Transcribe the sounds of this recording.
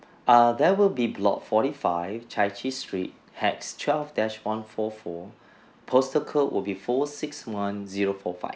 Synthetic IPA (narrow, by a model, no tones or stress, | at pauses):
adɛwilbiblɔ̰t̚fɔɾifaɪvt͡ʃʰat͡ʃistɹḭt̚ | hɛkstʰwɛlvdɛt͡ʃwãnfɔfɔ | pʰostəkʰəʔwʔɪ̰lbifɔsɪksmãnziɹofɔfa̰ɪv